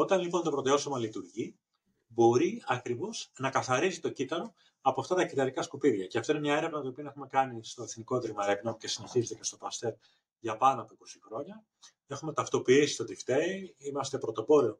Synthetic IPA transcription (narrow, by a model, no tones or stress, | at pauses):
o̞t̪ɐnlipo̞nt̪o̞pɾo̞t̪eo̞somɐlit̪uɾʝi | bo̞ɾiɐkɾivo̞snɐkɐθɐɾizit̪o̞cit̪ɐɾo̞ | ɐpoɐft̪ɐt̪ɐcit̪ɐɾikɐskupiðʝɐceɐft̪o̞inemɲɐe̞ɾe̞vnɐt̪oopiɐnɐe̞xume̞kɐnist̪oe̞θniko̞t̪ɾimɐɾe̞pnoce̞sine̞çizet̪ece̞st̪o̞pɐst̪e̞ɾ | ʝɐpɐnɐpoiko̞sixɾo̞ɲɐ | e̞xume̞t̪ɐft̪o̞piisi̥st̪od̪ift̪eiimɐst̪e̞pɾo̞t̪o̞po̞ɾeo̞